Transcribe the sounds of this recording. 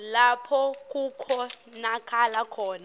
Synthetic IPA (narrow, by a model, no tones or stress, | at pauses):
lapʰɔk̬ʼukʰɔ | nakʰʼalakʰɔːna